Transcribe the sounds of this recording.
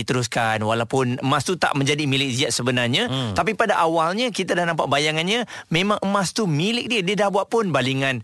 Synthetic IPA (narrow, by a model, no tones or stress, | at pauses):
it̪əɾuskanwalawpʊnəmãst̪ut̪a̰ʔmə̃ɲd͡ʒadimilɪk̚ziaʔ̪̚səbənarɲat̪ap̬ipadaʔawalɲəkit̪adahnãmpaʔbajaŋanɲã | mẽmãŋʔəmast̪umilɪk̚diədiədahbuaʔ̚pʊnbaliŋan